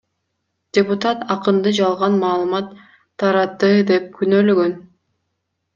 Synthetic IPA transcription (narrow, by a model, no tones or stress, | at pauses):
d̥ʲeput̪at̪ɑqɯnd̪ɯd͡ʒɑlˠʁɑnmɑːlˠɯmɑt̪ʰː | ɑɾɑt̪ːɯd̪e̞p̚kʰynøløɡøn